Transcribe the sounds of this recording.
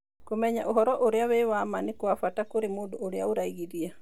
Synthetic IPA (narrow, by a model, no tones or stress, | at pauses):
komɛɲaʔoɦɔɾɔʔoɾeawewamanekoafatakoɾemoːndooɾeaoɾaiɣiɾia